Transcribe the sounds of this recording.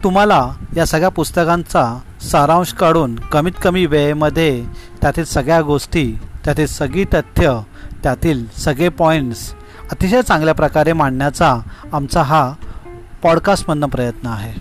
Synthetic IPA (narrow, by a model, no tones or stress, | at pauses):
t̪um̤alajasəɡɭjapust̪əkãnt͡sa | səɾãw̃ɕkaɽuːnkəmiːt̪kəmiːʋejməd̪ʱːjet̪jat̪iːlsəɡɭjaɡosʈiːt̪jat̪iːlsəɡɭiːt̪ət̪ʰːjə | t̪jat̪iːlsəɡɭepɔiɳʈs | ət̪iɕəjt͡sãŋɡljapɾəkaɾemaɳɳjat͡saːmt͡saɦa | pɔɽkasʈmənːəpɾəjət̪nəaɦe